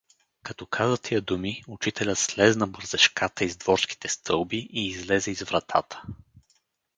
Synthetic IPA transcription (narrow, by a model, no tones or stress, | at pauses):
kɐt̪ɔkʰazət̪ʰijəd̪umiʊt͡ʃit̪ʰɛlʲət̪slɛznɐbəɾzɛʃkat̪əizd̪vɔɾski̥t̪ɛst̪ʰɤlˠbiʔiːzlɛzɛizvɾɐt̪ʰa̰t̪ə̥